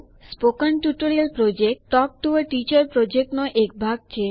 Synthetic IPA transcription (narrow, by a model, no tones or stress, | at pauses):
spokənʈuʈoɾialpɾod͡ʑekʈʈːɔk̚ʈuəʈit͡ɕɔɾpɾod͡ʒek̚ʈnɔʔek̚bʱaɡ̚t͡ɕʰe